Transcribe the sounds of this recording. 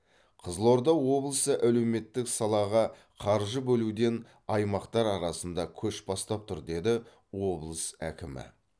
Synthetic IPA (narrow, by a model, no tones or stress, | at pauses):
qʰəzəlˠo̞ɾd̪ɑwo̞blˠəsəʔæle̞wme̞t̪ːɪksɑlˠɑʁɑ | qʰɑɾʒəbɵlud̪e̞n | ɑjmɑqt̪ɑɾɑɾɑsənd̪ɑkʲʰɵʃbɑst̪ɑp̚t̪ʰʊɾd̪e̞d̪ɪ | wo̞blˠəsæ̰kʲɪmɪ̰